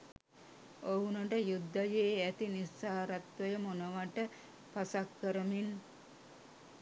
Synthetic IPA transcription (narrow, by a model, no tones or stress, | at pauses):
oɦunəʈəjud̪ːajeːæt̪inisaːɾat̪ʋəjəmonəʋaʈə | pasakːəɾəmin